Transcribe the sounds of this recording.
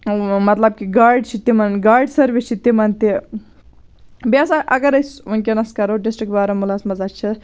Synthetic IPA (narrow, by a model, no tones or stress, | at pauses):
mɐt̪lɐb̚kiɡaːɾɖt͡ʃʰit̪imɐnɡaːɾɖsɐɾʋit͡ʃʰit̪imɐnt̪i | basaʔɐɡɐɾɐjsunkenɐskɐɾoːɖisʈɾik̚baːɾɐmulaːsmɐzadt͡ʃʰi